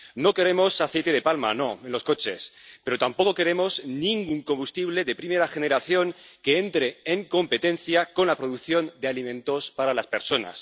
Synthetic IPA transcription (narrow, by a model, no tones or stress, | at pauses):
no̞ke̞ɾe̞mo̞saθe̞jt̪e̞ð̞e̞palma̰no̞e̞nlo̞sko̞t͡ʃe̞spe̞ɾo̞t̪ampo̞ko̞ke̞ɾe̞mo̞znĩŋɡuŋko̞mbust̪iβle̞ðe̞pɾime̞ɾaxe̞neɾaθjo̞ŋke̞e̞nt̪ɾe̞ːŋko̞mpe̞t̪ẽ̞nθjako̞nlapɾo̞ð̞ukθjo̞nd̪ealimẽ̞nt̪o̞spaɾalaspe̞ɾso̞na̰s